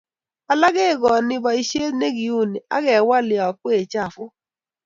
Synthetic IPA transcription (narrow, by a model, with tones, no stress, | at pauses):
a˨la˦ɡe˦˨ɡɔ˨nɪ˦ba˨i˦ʃe˦tne˦ɡi˨u˦˨ni˨a̰˦ɡɛ˨wa˦lɪ˨ɔ˨kwe˦˨t͡ʃa˦˨fʊ˦